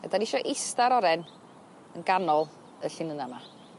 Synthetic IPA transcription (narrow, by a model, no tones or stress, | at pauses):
ə̰daniʃɔʔɪstaɾɔɾɛn | ənɡanɔlˠ | əɬɪmənama